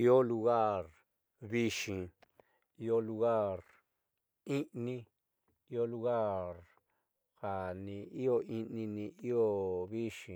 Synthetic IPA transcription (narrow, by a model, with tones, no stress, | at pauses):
i˦o˦lu˧ɣa˦˨ɾ | βi˦ʃĩ˧ | i˧˦o˦lu˧ɣa˦˨ɾ | ĩ˦ʔnĩ˦ | i˦o˦lu˧ɣa˦˨ɾ | ha˨nĩ˨˧˨i˦o˧ʔĩ˧nĩ˧nĩ˧ʔi˦o˦βi˦ʂĩ˧